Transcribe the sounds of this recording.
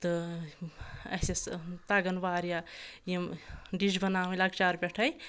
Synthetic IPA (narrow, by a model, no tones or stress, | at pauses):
t̪ɐ | ɐsest̪aɡɐnbaɾjajimɖid͡ʒbɐnamlaɡt͡ʃaɾbeʈʰɐj